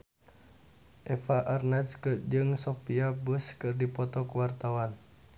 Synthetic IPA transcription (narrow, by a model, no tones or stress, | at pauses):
ʔɛfaʔarnɛt͡ʃkɨrd͡ʒɨŋsɔpiabəskɨrdipɔt̪ɔkuwart̪awan